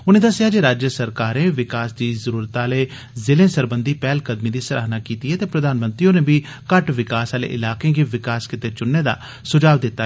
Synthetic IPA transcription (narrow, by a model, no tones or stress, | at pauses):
ʊnẽːd̪əsɪjaːd͡ʒeːɾaːd͡ʒjəsəɾkaːɾnẽːʋɪkaːsd̪iːzəɾuːɾt̪aːleː | zɪlẽːsəɾbənd̪iːpɛːlkəd̪miːd̪iːsəɾʔa̰ːɦnaːkiːt̪iːɦɛːt̪eːpɾəd̪aːnmə̃nt̪ɾiõnẽːbʱiː | kəʈʋɪkaːsaːlḛːʔɪlaːkẽːɡeːʋɪkaːskɪt̪eːt͡ʃʊnːeːd̪a̰ː | sʊd͡ʒaːʋd̪ɪt̪ːaː